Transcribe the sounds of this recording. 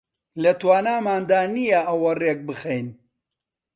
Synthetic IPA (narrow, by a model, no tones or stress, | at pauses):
lɐt̪waːnaːmaːnd̪aːnijɐʔɐwɐreːk̚bɨxejn